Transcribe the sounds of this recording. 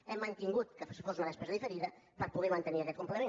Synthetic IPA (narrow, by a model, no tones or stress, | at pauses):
ɛmɐ̃nt̪iŋɡuðkɨfsfosumɐðɛʃpɛzɐðifɨɾiðɐ | pɐɾɐpuðeɾmɐ̃nt̪eneɾɐɣɛkõmplˠeɐmẽ